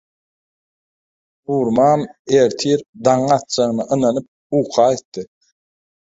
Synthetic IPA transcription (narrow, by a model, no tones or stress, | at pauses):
uːɾmɑːmeɾt̪ʰiɾd̪ɑŋɑt̪̚d͡ʒɑʁɯnɑʔɯnɑnɯp̚ | uːqʰɑːet̪ːɯ